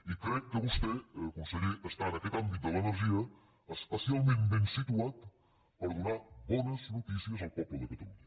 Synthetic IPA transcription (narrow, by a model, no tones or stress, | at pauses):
ikɾɛkːəβust̪ɛkumsəɣiəst̪anɐkɛt̪ambit̪̚d̪ələnəɾʒiə | əspəsialˠmẽnt̪bɛnsit̪uat̪ | pəɾðunabɔnəznut̪isiəzəlˠpɔpləðəkət̪əlun